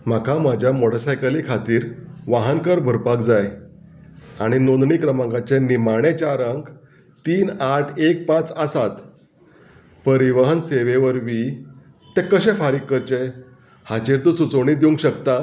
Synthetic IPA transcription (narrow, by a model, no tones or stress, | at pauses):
m̤akʰamad͡ʑʱjamoɽəsajkəlikʰat̪iːɾʋaɦənkəɾbʱəɾpakd͡zaj | aɽ̃inond̪ɳiːkɾəmãŋɡat͡ɕenimaɽ̃et͡ɕaɾəŋɡ | t̪iːnaʈʰek̚pãt͡sasat̪ | pəɾiʋəɦənseʋeʋəɾʋi | t̪ẽkəɕɛ̃faɾiːkːəɾt͡ɕe | had͡ʑeɾt̪ũt͡sut͡səwɽ̃iːd̪iũŋɡkɕəkt̪a